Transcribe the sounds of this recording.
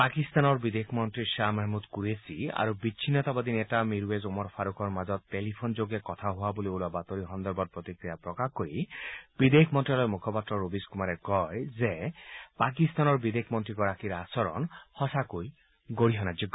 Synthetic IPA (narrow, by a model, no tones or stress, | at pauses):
pakist̪anɔɹbid̪ekʰmɔnt̪ɾiʃamaɦmud̪kuɾesia̰ɾubit͡ʃʰinɔt̪abad̪inetamiɾezumɔɾpʰaɾokʰɔɾmazɔt̪ːelipʰond͡ʒoɡekɔt̪ʰaɦowaboliolabat̪oɾiɦɔnd̪ɔɾbɔt̪̚pɹot̪ikɾijapɾɔkakoɾib̥id̪ekʰmɔnt̪ɾilɔjmukʰɔpat̪ɾɔɾobiskumaɾekɔjzepakist̪anɔɹbid̪ekʰmɔnt̪ɾiɡɔɾakiɾasɔɾɔ̰nhɔsakoj | ɡoɾiɦɔnad͡ʒiɡ